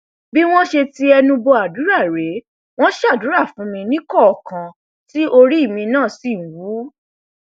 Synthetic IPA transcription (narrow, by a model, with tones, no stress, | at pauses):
bi˦w̃ɔ̃˦ʃe˧ti˦ɛ˧nũ˧bɔ˧a˨du˨˦ɾa˦˨ɾe˨˦ | w̃ɔ̃˦ʃa˦˨du˨˦ɾa˦˨fũ˨˦mĩ˧nĩ˦kɔ˦ɔ˨kã˨ | ti˦ʔo˧ɾi˦i˦˨mĩ˧nãː˦˨si˨wuː˨˦